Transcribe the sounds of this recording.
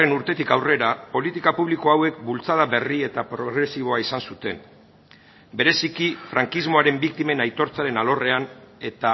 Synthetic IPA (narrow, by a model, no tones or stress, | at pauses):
renuɾt̪e̞t̪ikawre̞ɾapo̞lit̪ikapuβ̞liko̞awe̞k̚bult͡sað̞aβe̞rie̞t̪apɾo̞ɣɾe̞siβ̞o̞aisansut̪e̞n | be̞ɾe̞sikifɾaŋkizmo̞aɾe̞mbik̚t̪ime̞najt̪o̞ɾt͡saɾe̞nalo̞re̞ane̞t̪a